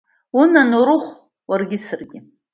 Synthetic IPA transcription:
unanuɾʊχʷ | warɡʲɪsɨrɡʲɪ

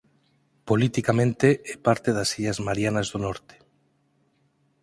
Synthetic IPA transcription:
polit̪ikamẽnt̪eʔɛpaɾt̪eðasiʎazmaɾjanazðonɔɾt̪e̥

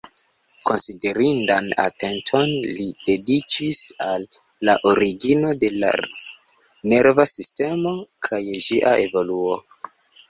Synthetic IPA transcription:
ko̞nside̞ɾindana̰te̞ntʰo̞nlid̥e̞dit͡ʃisalː | aʔoɾiɡino̞de̞la̰ | ne̞ɾvasiste̞mo̞kʰajʒiʔaʔe̞vo̞luo

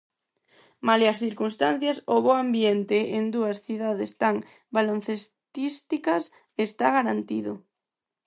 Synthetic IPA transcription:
maleasθiɾkunst̪an̟θjasoβoambjent̪eend̪uasθiðaðest̪aŋ | balon̟θes | t̪ist̪ikas | est̪aɣaɾant̪iðʊ

